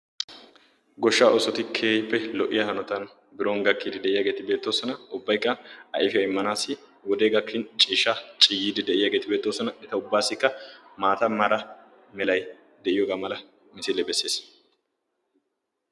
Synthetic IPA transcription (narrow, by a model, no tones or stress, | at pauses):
ɡɔʃːaːʔɔsɔt̪ɪkʰeːjɪpːɛlɔʔɪjɐhɐnɔt̪ɐn | bɪɾoːnɡɐkːiːd̪ɪd̪ɛʔɪjaːɡeːt̪ɪbe̞ːt̪ːoːsɔnɐʊbːɐjkːɐɐ̰ʔɪfɪjɐɪmːɐnaːsːɪ | wɔd̪eːɡɐkʰːɪnt͡ʃʼiːʃːɐt͡ʃʼɪjːiːd̪ɪd̪ɛʔɪjaːɡe̞ːt̪ɪbe̞ːt̪ːoːsɔnɐɛt̪ɐʊbːaːsːɪkːɐmaːt̪ɐmɐɾɐ | mɛlɐj | d̪ɛʔɪjoːɡaːmɐlɐ | mɪsɪlːɛbɛsːe̞ːs